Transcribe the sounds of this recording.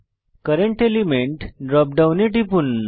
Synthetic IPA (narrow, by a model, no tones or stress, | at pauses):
kəɾeɳʈelimeɳʈɖɾɔp̚ɖawneʈipun